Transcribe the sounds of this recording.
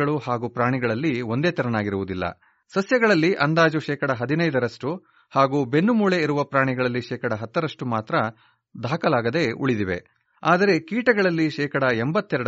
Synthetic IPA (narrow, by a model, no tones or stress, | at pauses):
ɐɭuhaːɡuːpɾaːɳiɡɐɭɐlːiond̪e̞ːt̪ɐɾɐnaːɡiɾuʋud̪ilːɐ̰ | sɐsjɐɡɐɭɐlːiʔɐnd̪aːd͡ʒuʃɛːkɐɽɐɦɐd̪inɐjd̪ɐɾɐʂʈu | haːɡuːbe̞nːumuːɭe̞iɾuʋɐpɾaːɳiɡɐɭɐlːiʃɛːkɐɽɐɦɐt̪ːɐɾɐʂʈumaːt̪ɾɐ | d̪ʱaːkɐlaːɡɐd̪e̞ṵɭid̪iʋe̞̰ | aːd̪ɐɾe̞kiːʈɐɡɐɭɐlːiʃɛːkɐɽɐembɐt̪ːɛɾɐɽ